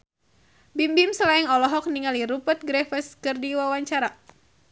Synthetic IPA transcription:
bimbimsəlaɛŋɔlɔɦɔk̚niŋaliɾupət̪̚ɡɾɛfəskɨrdiwawaɲt͡ʃaɾa

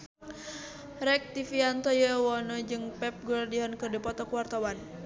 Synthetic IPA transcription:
ɾɛk̚t̪ifiant̪ɔjəwɔnɔd͡ʒɨŋpɛp̚ɡulrdiɦɔnkərdipɔt̪ɔkuwart̪awan

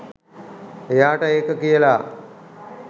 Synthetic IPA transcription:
ejaːʈəeːkəkijəla

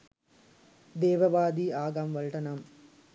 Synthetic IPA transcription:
d̪eːʋɐʋaːd̪iːaːɡamʋɐɭʈɐnam

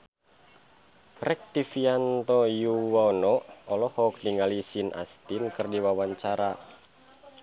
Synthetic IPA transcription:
rɛk̚t̪ifiant̪ɔjuwaonɔɔlɔhɔk̚diŋalisinʔa̰st̪inkɨrdiwawaɲt͡ʃaɾa

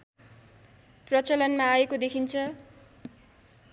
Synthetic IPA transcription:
prʌt͡sʌlʌnmaːekod̪ekʰint͡sʰʌ

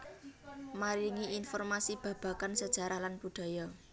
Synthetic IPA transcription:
maɾiŋiinfɔrmasib̥ä̤b̥a̤kansəd̥ʒ̥a̤ɾʔahlanb̥uɖ̥a̤jɔ

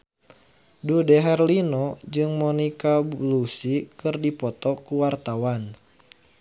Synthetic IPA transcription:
dudɛɦɛrlinɔd͡ʒɨŋmɔnikablusikɨrdipɔt̪ɔkuwart̪awan

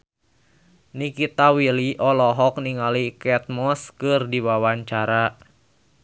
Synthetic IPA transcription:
nikit̪awiliʔɔlɔɦɔk̚niŋalikɛt̪̚mɔskɨrdiwawaɲt͡ʃaɾa

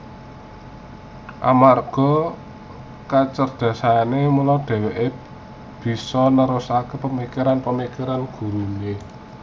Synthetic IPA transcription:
ʔa̰marɡ̥ɔ̤ | kat͡ʃərd̪̥ä̤saanemulɔɖ̥e̤weʔe | b̥i̤sɔnəɾʊsakepəmikiɾanpəmikiɾanɡ̥ṳɾuɲe

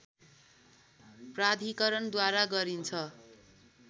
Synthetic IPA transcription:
prad̪ʱikʌɾʌnd̪waɾaɡʌɾint͡sʰʌ

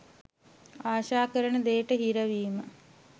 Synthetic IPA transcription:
aːʃaːkəɾəɳəd̪eːʈəɦiɾɐʋiːmə

